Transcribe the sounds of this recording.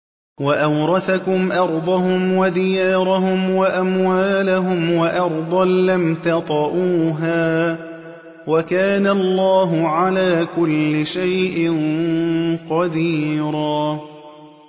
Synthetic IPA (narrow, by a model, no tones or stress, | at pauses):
waʔɑwɾˤɑθakʊmʔɑɾˤd̪ˤɑɦʊmwad̪ɪjaːɾˤaɦʊmwaʔamwaːlaɦʊmwaʔɑɾˤd̪ˤɑnlamt̪ɑt̪ˤɑʔuːɦaː | wakaːnalːɑːɦʊʕalaːkʊlːɪʃajʔɪn | qɑd̪iːɾaː